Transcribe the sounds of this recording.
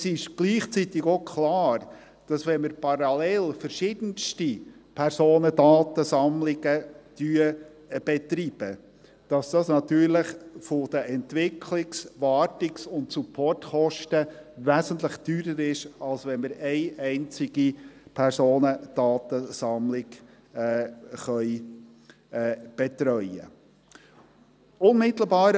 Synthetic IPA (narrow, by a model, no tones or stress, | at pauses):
sɪʃɡ̥liːχt͡sit̪ɪɡokʰlɑːɾ | d̥ɑsʋɛnməɾpʰɑɾɑlɛlfəɾʃɪd̥̪ənstipʰɛɾsoːnədɑːt̪əsɑmlɪɡəd̥yːə | b̥ɛt̪ɾiːb̥ə | d̥ɑsd̥ɑsnɑt̪yːɾləχfʊd̥̪əʔɛntʋɪkʰlɪksʋɑːtɪksʊntsupʰːɔrtχɔʃtəvæːsənt̪ləχd̥yːɾəɾɪʃɑlsʋɛnməɾɛɪʔɛɪnt͡sɪɡipʰæɾsoːnəd̪̥ɑːt̪əsɑmlɪɡ | χœʏ | b̥ɛt̪ɾœʏə̰ | ʊnmɪt̪l̩bɑːɾ